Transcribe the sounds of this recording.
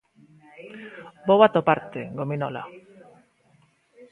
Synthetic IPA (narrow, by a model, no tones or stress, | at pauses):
bowat̪opaɾt̪eɡominɔ̰la̰